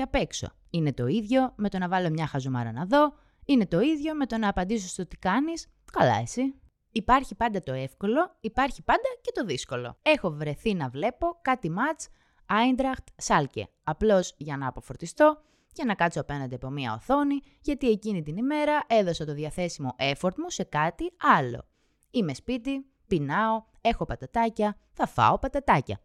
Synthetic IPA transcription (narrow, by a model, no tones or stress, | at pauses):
ɐpe̞kso̞̰ | ine̞t̪o̞iðʝo̞me̞t̪o̞nɐvɐlo̞mɲɐxɐzomɐ̰ɾɐ̰nɐðo̞ | ine̞t̪o̞iðʝo̞me̞t̪o̞nɐːpɐnd̪isost̪o̞t̪i̥kɐnis | kɐlɐ̰e̞si | ipɐɾçipɐnd̪ɐt̪o̞e̞fko̞lo̞ipɐɾçipɐnd̪ɐce̞t̪o̞ðisko̞lo̞̰e̞xo̞vɾe̞θinɐvle̞po̞kɐt̪imɐt͡s | ɐind̪ɾɐxt̪sɐlcḛ | ɐplo̞zʝɐnɐːpo̞fo̞ɾt̪ist̪o̞ | cenɐkɐt͡soɐpe̞nɐnd̪eɐpo̞miɐoθo̞ni | ʝɐt̪ie̞cinit̪inime̞ɾɐʔe̞ðo̞sɐt̪oðjɐθe̞simo̞ʔe̞foɾt̪muse̞kɐt̪iɐlo̞̰ | ime̞spit̪i | pinɐo̞ | e̞xopɐt̪ɐt̪ɐcɐθɐfɐ̰opɐt̪ɐt̪ɐcɐ̰